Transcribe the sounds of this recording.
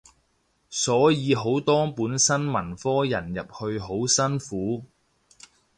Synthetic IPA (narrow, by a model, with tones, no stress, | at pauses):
sɔː˨˥jiː˨˧ɦo˨˥wt̪ɔː˥puː˨˥nsɐ˥nmɐ˨˩nfɔː˥jɐ̰˨˩njɐ˨p̚hɵ˧ɥɦo˨˥wsɐ˥nfuː˨˥